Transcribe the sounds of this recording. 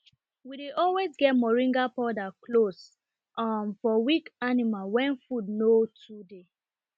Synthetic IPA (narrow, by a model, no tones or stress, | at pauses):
wideʔɔlwezɡɛt̚mɔɹĩŋɡapɔdaklos | ʔamfɔwikanimalwɛ̃nfudnotʰude